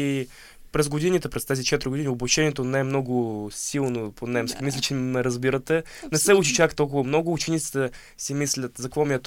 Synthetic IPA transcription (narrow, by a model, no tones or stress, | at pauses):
i | pɾɛzɡod̪inʲit̪ɛpɾɛst̪ɛzʲit͡ʃɛt̪ɾʲɪɡod̪ʲinʲioblˠɐʃɛnʲiɛt̪onɛɛmnoɡʊsʲilˠnoponɛmskʲimislʲɪt͡ʃɛmɛɾɐzbiɾət̪ɛ | nɛsɛut͡ʃit͡ʃakt̪ɔlˠk̬ʊvəmnɔɡʊːt͡ʃɛnʲit̪i̥t̪ɛ | simislʲət̪zɐkvɔmʲiət̪